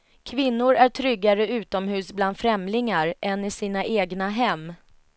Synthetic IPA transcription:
kʰvɪnːʊɾæʈʰɾʏɡːaɾəʉ̟ːt̪ɔmɦʉ̟ːsbland̪fɾɛmlɪŋaɾʔɛnɪsiːnaʔeːɡnaɦɛmː

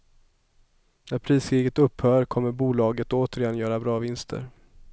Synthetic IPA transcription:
næɾpʰɾiːskʰɾiːɡət̪ɵpːhœːɾkʰɔmːəɾbuːlɑːɡət̪oːt̪əɾɪjɛnjœːɾabɾɑːvɪnst̪ʰə̰ɾ

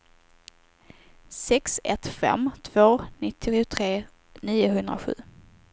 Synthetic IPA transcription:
sɛksɛt̪fɛ̰mːt̪ʰvoːnɪt̪ʰːɪɧʊt̪ʰɾeː | niːʊɦɵnd̪ɾaɧʉ̟̰ː

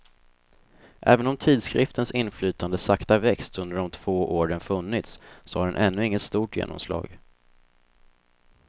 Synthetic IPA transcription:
ʔɛːvənɔmt̪ʰiːd̪skɾɪft̪ʰənsɪnflyːt̪and̪əsakt̪avɛkst̪ɵnd̪əɖɔmt̪ʰv̥oːʔoːɾənfɵnːɪt̪ssɔhaɖɛnʔɛnːɵɪŋːət̪st̪uːʈjḛːnɔ̰mslɑ̰ːɡ

